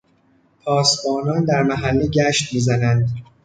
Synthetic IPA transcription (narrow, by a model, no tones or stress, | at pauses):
pʰɒːsbɒːnɒːnd̪æɾmæɦælːeɟæːʃt̪miːzænænd̪